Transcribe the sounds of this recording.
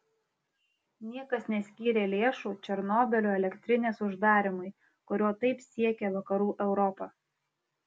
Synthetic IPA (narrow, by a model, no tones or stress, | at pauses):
nʲiɛkɐsnʲɛsʲkʲiːɾʲeːlʲeːʃuːt͡ʃʲɛɾnoːbʲɛlʲuːɛlʲɛkʲt̪ʲɾʲɪnʲeːsʊʒd̪ɑːɾʲɪmʊɪ | kʊɾʲoːt̪ɐɪpsʲiɛkʲɛʋɐkɐɾuːʔɛʊɾɔpɑː